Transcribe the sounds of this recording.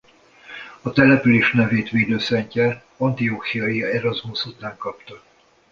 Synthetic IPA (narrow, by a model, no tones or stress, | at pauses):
ɒt̪ɛlɛpyleːʃnɛveːt̪ʋeːd̪øːsɛɲcɛ | ɒnt̪ioːxijɒjiɛɾɒzmusut̪aːŋkɒpt̪ɒ